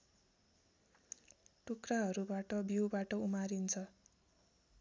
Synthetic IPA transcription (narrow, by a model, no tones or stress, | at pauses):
ʈukraɦʌɾubaʈʌbiwbaʈʌumaɾint͡sʰʌ